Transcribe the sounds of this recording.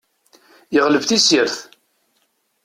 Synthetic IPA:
jəʁləvθisɪɾθ

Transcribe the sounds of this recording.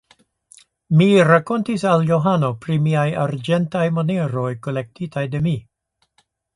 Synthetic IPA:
miɾako̞ntisaljoɦano̞pɾimiajaɾd͡ʒentajmoneɾo̞jkole̞k̚tʰitajde̞mi

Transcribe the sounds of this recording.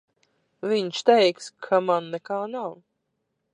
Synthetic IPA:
viɲʃt̪ɛjkskʰamanːɛkaːnaw

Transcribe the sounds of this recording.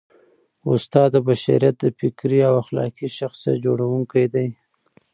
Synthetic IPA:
ʊst̪ɑd̪əbaʃa̰ɾjat̪̚d̪əfɪkɾiawaxlɑ̰kiʃaxsja̰t̪̚d͡ʒoɽawuŋkajd̪aj

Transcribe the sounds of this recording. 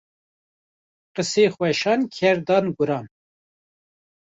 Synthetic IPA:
qəseːxwɛʃɑːnkʲʰɛɾd̪ɑːnɡʊɾɑːn

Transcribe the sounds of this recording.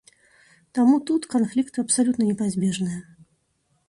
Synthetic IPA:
t̪amut̪ut̪kanflʲikt̪ɨɐpsalʲut̪nɐnʲɛpazʲbʲɛʐnɨjɐ

